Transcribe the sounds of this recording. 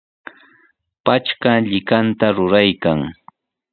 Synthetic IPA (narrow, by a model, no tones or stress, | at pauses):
pat͡ʃkaʎɪkant̪aɾʊɾajkaŋ